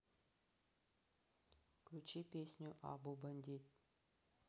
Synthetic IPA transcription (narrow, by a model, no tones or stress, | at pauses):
kut͡ʃipʲesʲnʲuʔa̰bubənd̪ʲit̪̚